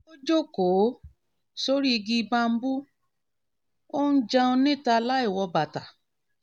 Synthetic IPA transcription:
o˦d͡ʒo˦ko˨˦ | so˦ɾi˦i˧ɡi˧ba˧m̩˦bu˦ | o˦n̩˦d͡ʒa˧o˧nĩ˦˨ta˧la˦i˦˨wɔ˧ba˨ta˨

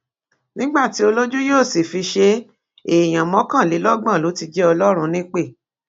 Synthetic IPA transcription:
nĩ˦ɡ͡ba˦˨ti˨˦o˧lo˦d͡ʒu˦joː˦˨si˨fi˧ʃe˧ | e˨j̃ã˨mɔ̃˨˦kã˦˨li˨˦lɔ˦ɡ͡bã˦˨lo˨˦ti˧d͡ʒɛ˦ɔ˧lɔ˦ɾ̃ũ˧nĩ˦k͡pe˦˨

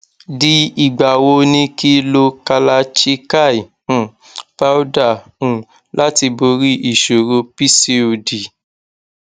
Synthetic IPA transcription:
di˦i˨ɡ͡ba˨wo˧nĩ˧ki˦lo˧ka˧la˧t͡ʃi˦ka˦˨i˨ | ũ˨ | fa˦u˦da˦˨ũ˨ | la˦ti˧bo˧˦ɾi˦ʔi˨ʃo˨ɾo˧pi˦si˧o˨di˨

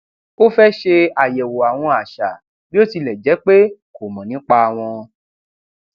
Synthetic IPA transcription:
o˦fɛ˦ʃe˧a˨jɛ˨wo˨a˨w̃ɔ̃˧a˨ʃa˨ | bi˦o˦ti˧lɛ˨d͡ʒɛ˨˦k͡pe˦ko˨mɔ̃˨nĩ˨˦k͡pa˧˨w̃ɔ̃˧

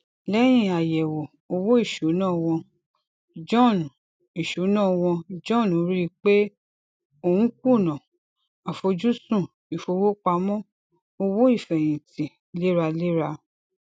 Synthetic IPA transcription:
lɛ˦j̃ĩ˦˨a˨jɛ˨wo˨ | o˧wo˦i˦˨ʃu˨˦nãː˦˨w̃ɔ̃˧ | d͡ʒɔ̃˦˨n˨ | i˨ʃu˨˦nã˦˨˧w̃ɔ̃˧d͡ʒɔ̃˦˨nũ˨˦ɾi˦˧k͡pe˦ | o˧˨ũ˦ku˦˨nã˨ | a˨fo˧d͡ʒu˦sũ˦˨ | i˨fo˧wo˦k͡pa˧mɔ̃˦ | o˧wo˦i˦˨fɛ˨j̃ĩ˨ti˨ | le˦ɾa˧le˦ɾa˧

